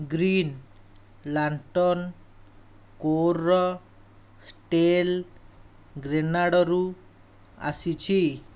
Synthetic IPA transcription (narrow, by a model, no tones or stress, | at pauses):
ɡɾin | laɳʈɔn | koɾɔ | sʈel | ɡɾenaɽɔɾu | a̰sit͡ʃʰi